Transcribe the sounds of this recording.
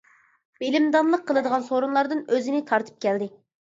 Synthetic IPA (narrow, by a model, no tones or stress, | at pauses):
b̥elɪmd̪ɑnlˠəqʰːəlˠɨd̪əʁɑnsoɾunlˠɑɾd̪ɨnøzɪnɪt̪ʰɑɾt̪ʰɨ̥p̚kʲʰɛld̪ɪ